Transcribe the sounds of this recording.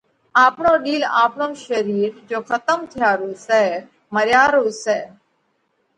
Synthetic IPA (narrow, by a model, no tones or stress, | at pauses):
aːpɳoːɗiːla̰ːpɳoːʃəɾiːɾd͡ʒoːkʰət̪əmt̪ʰɪjaːɾoːsɛː | məɾjaːɾoːsɛː